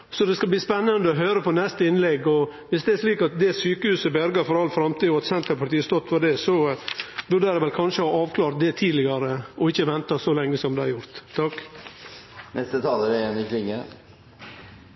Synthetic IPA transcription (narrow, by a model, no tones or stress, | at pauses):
sɔd̪ɛskɑbliːspɛnːɑnd̪əɔɦøːɾəpʰɔnɛst̪əɪnlɛɡːɔʋɪsd̪ɛɛʂɭiːkɑt̪̚d̪ɛsyːkəhʉːsəbœɾɡɑɾfɔɾɑlːfɾɑmt̪iːɔɑt̪sɛnt̪əɾpʰɑɾt̪iːəst̪ɔt̪ːʋɑɖɛsɔbʉɖəɾɛʋɛlkʰɑnʂəhɑːɑːʋkʰlɑːɾt̪̚d̪ɛt̪ʰiːlɪɡɑɾəɔɪçːəʋɛnt̪ɑsɔlɛŋːəsɔmd̪ɛæɾjʊɾt̪ʰːɑkː | nʔɛst̪ət̪ʰɑːləɾɪɛnːɪkʰɾɪŋə